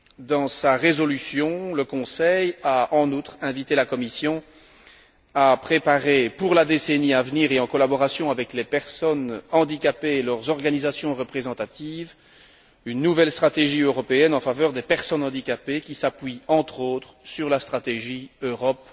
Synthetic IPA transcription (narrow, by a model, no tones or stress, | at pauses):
d̪ɑ̃saʁezɔlysjɔ̃ləkɔ̃sɛjaʔɑ̃nut̪χɛ̃vit̪elakɔmisjɔ̃ | apχepaʁepuʁlad̪eseniavniːʁeɑ̃kɔlabɔʁasjɔ̃avɛklepɛʁsɔnɑ̃d̪ikʲapeːlœʁzɔʁɡanizasjɔ̃ʁəpχezɑ̃t̪at̪iv | ynːuvɛlst̪χat̪eʒiøʁɔpeɛnɑ̃favœʁd̪epɛʁsɔnɑ̃d̪ikʲapekʲisapɥiɑ̃t̪χot̪χsyʁlast̪χat̪eʒiøʁɔp